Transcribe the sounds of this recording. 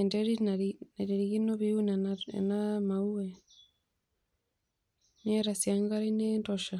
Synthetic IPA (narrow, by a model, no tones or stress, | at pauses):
ndeɾinnaɾiɾiɣinoβiuna̰namaue | nieɾasjaŋɡaɾinendoʃa